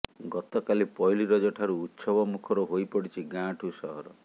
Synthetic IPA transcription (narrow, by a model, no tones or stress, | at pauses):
ɡɔt̪ɔkalipɔjliɾɔd͡ʒɔʈʰaɾuːt̪sɔbɔmukʰɔɾuɦojpɔɽit͡ʃʰiɡãʈʰusɔɦɔɾɔ